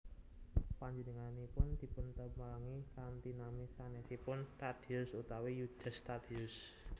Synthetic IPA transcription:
paɲd͡ʒənəŋanipʊnd̪̥i̤pʊnt̪əmalaŋikant̪inamisanesipʊnst̪ad̪̥iʊsut̪awijud̪̥ə̤st̪ad̪̥iʊs

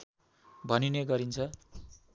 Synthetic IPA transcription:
bʱʌnineɡʌɾint͡sʰʌ

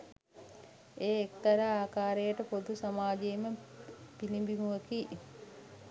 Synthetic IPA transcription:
eːek̚t̪ɐɾəaːkaːɾejəʈəpod̪usamaːd͡ʒeːməpilimbimuʋəki

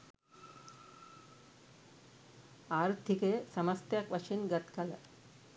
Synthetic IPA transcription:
aːɾd̪ʱikesɐmɐst̪jɐkʋɐt͡ʃinɡɐt̪kɐlɐ

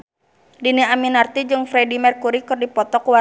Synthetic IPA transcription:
diniaminart̪id͡ʒɨŋfɾɛdimɛrkuɾikɨrdipɔt̪ɔkuwa

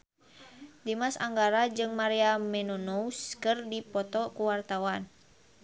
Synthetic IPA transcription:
dimasaŋɡaɾad͡ʒɨŋmaɾiamɛnɔnouskɨrdipɔt̪ɔkuwart̪awan

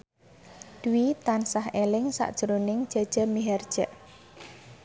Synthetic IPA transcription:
d̥uwit̪ansaɦelɪŋsa̰ʔd̥ʒ̥əɾonɪŋd͡ʒ̥a̤d̥ʒ̥a̤miɦɛrd̥ʒ̥əʔ

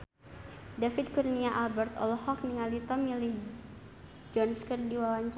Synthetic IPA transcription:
dafid̪̚kurniaʔalbɛrt̪ɔ̰lɔhɔk̚niŋalit̪ɔmili | d͡ʒɔnskərdiwawaɲt͡ʃ

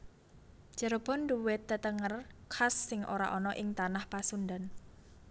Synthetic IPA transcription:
ʒ̥ə̤ɾob̥ɔnduwɪt̪ːət̪əŋərkʰasːɪŋʔoɾa̰ʔɔnɔʔɪŋt̪anahpasund̪an

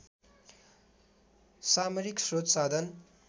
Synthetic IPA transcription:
samʌɾiksrot̪sad̪ʱʌn

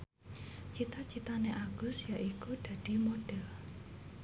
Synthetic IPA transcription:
t͡ʃit̪at͡ʃit̪aneʔaɡ̥ʊ̤sjaʔikud̪̥a̤ɖ̥i̤moɖ̥ɛl

